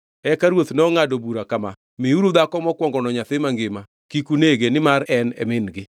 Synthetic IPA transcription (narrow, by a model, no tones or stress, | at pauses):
ɛkaɾwot̪nɔŋadobuɾakama | mɪuɾud̪akɔmɔkwɔŋɡɔnɔɲat̪ɪmaŋɡɪma | kikuneɡenɪmaɾɛnɛ̰mɪnɡɪ